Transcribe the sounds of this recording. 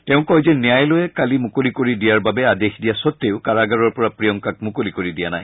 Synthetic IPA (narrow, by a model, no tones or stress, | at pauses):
tɛʊ̃kɔjzɛnijajlojɛkalimʊkolikoɹidijaɹbabɛadexdijasɔt̪ːeʊkaɹaɡaɹɔɹpɔɹapɹijɔŋkak̚mʊkolikoɹidijana̰j